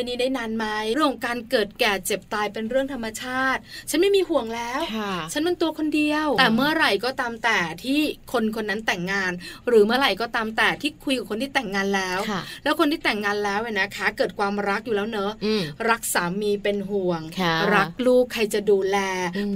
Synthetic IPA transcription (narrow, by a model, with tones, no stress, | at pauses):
a˧niː˦˥daː˥˩jnaː˧nma˦˥jɾəŋkɔ˨˩ŋkaː˧nkɤː˨˩t̪̚kɛː˨˩t͡ɕe˨˩p̚t̪aː˧jpe˧nɾɯ˥˩əŋt̪ʰa˧mːa˧t͡ɕʰaː˥˩t̪̚t͡ɕʰa˦˥nma˥˩jmiː˧hu˨˩əŋlɛː˦˥wt͡ɕʰa˦˥nma˧nt̪u˧ɐkʰo˧ndi˧əwt̪ɛː˨˩mɯ˥˩ɐɾa˨˩jkɔː˥˩t̪aː˧mt̪ɛː˨˩t̪ʰiː˥˩kʰo˧nkʰo˧nːa˦˥nt̪ɛ˨˩ŋːaː˧nɾɯː˩˦mɯ˥˩ɐɾa˨˩jkɔː˥˩t̪aː˧mt̪ɛː˨˩t̪ʰiː˥˩kʰu˧jka˨˩kʰo˧nt̪ʰiː˥˩t̪ɛ˨˩ŋːaː˧nlɛː˦˥wlɛː˦˥wkʰo˧nt̪ʰiː˥˩t̪ɛ˨˩ŋːaː˧nlɛː˦˥wʔa˨˩na˦˥kʰaː˦˥kɤː˨˩t̪̚kʰwaː˧mɾa˦˥k̚juː˨˩lɛː˦˥wnɤ˦˥ɾa˦˥k̚saː˩˦miː˧pe˧nɦu˨˩əŋɾa˦˥k̚luː˥˩kkʰːa˧jt͡ɕa˨˩duː˧lɛː˧